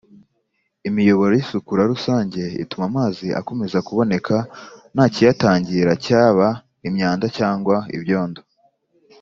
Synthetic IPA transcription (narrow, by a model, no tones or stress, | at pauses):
imijo̞βo̞ɾojisukuɾaɾusaːɲɟe̞ḭtumamaːziʔa̰ko̞me̞zakuβo̞ne̞kʰanaːcijataːɲɟiɾacaːβa | imɲaːndacaːŋɡwaḭβjo̞ːndo